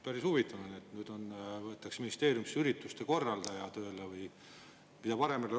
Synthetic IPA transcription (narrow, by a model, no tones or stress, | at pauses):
pæɾisuvit̪ːˑɑnɑnet̪nyːd̪̥o̞nvɤet̪ːˑɑksminist̪e̞ːɾjumsyɾit̪ːˑust̪e̞ko̞rːɑld̪̥ɑjɑt̪ø̞ːlevɯj | mid̪ɑpɑɾe̞mele